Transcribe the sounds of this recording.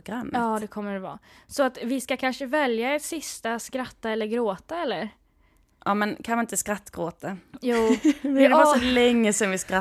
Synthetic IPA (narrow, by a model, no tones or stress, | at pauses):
ɡɾamːɑːd̪ɛkʰɔmːəɖɛvɑ̰ːsɔat̪vɪskakʰanʂəvɛljaɛt̪sɪst̪askɾat̪ːaɛlːəɾɡɾoːt̪aɛlːəɾ | ʔɑːmɛnkʰanʋɪɪnt̪əskɾat̪ːɡ̥ɾoːt̪ajuːɛdɛvɑːsɔlɛŋːəsɛnvɪskɾa